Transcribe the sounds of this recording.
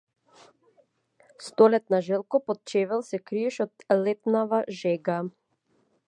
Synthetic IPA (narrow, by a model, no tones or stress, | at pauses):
st̪ɔlɛt̪̚naʒɛlˠkɔpɔt̪̚t͡ʃɛvɛlˠsɛkɾiɛʃɔt̪lɛt̪navaʒɛɡa